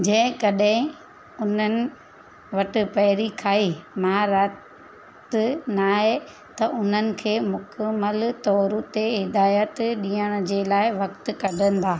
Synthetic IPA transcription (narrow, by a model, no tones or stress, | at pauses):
d͡ʑɐ̃ɦɪ̃kɐɗɦɪ̃ | ʊn̤ənɪ̆ | ʋɐʈɪ̆pɐɦɪɾikʰaːimãɾa | t̪naːɦe | t̪ɐʔʊn̤ənɪ̆kʰeːmʊkəmːəlt̪ɔːɾut̪eɦɪd̪aːjət̪ɗĩːjəɽ̃ʊ̆d͡ʑeːlaːɪʋɐkt̪kɐɖʱə̃nɪ̆d̪aː